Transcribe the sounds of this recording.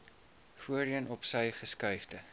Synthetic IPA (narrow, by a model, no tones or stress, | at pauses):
fuəriənɔpsəjχəskœɥfdə